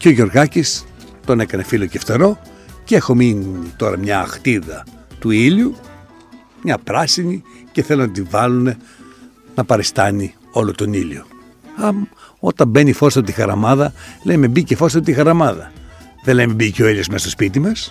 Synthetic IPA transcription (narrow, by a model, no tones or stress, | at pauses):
ceoʝo̞ɾɣɐcis | t̪o̞ne̞kɐne̞filoceft̪eɾo̞ | ceexo̞minit̪o̞ɾɐmɲɐːxt̪iðɐt̪uiʎu | mɲɐpɾɐsinice̞θe̞lonɐt̪ivɐlune̞ | nɐpɐɾest̪ɐni | o̞lot̪o̞nilo̰ | ɐmo̞t̪ɐmbe̞nifo̞st̪t̪ixɐɾɐmɐðɐlejmebicefo̞st̪ɐot̪ixɐɾɐmɐðɐ | ðelejmebiceoilosmest̪ospit̪imɐs